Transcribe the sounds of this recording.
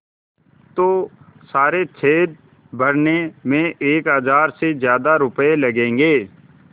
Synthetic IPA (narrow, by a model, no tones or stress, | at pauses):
t̪oːsaːɾet͡ʃʰeːd̪̚ | bʱəɾnemẽʔeːkɦəzaːɾsezjaːd̪aɾʊpelɐɡẽːŋɡeː